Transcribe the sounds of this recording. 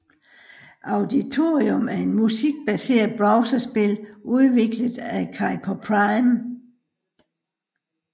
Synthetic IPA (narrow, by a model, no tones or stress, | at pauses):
ʔɑ̈ʊd̥it͡sʰo̝ːʁiomæɐe̝nmusiɡ̥̚b̥æse̝̰ːɐð̩ˠb̥ʁɑ̈ʊsɐsb̥e̝lʔuðˠʋe̝ɡ̥ləðˠækʰɑ̈ɪpʰɒpʰʁɑɪm